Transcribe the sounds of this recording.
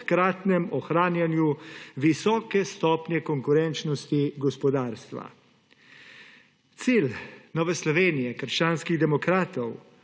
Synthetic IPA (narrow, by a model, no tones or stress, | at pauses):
kɾaːt̪nɛmɔxɾaːnjanjuʋisɔːkɛst̪ɔːpnjɛkɔŋkuɾɛnt͡ʃnɔst̪iɡɔspɔd̪aːɾst̪ʋa̰ | t̪siːlnɔːʋɛslɔʋeːnijɛkəɾʃt͡ʃaːnskiɣd̪ɛmɔkɾaːt̪ɔw